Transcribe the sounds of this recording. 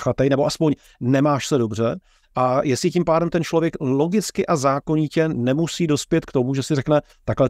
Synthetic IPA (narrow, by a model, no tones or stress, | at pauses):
xat̪ɛjnɛbo̞ʔaspo̞ɲ | nɛmaːʃsɛdo̞br̝ɛ | ʔajɛsɪcimpaːdɛmt̪ɛnt͡ʃlo̞vjɛklo̞ɡɪt͡skɪʔazaːkoɲicɛnɛmusiːdo̞spjɛt̪kt̪o̞muʒɛsɪrɛknɛ | t̪aklɛ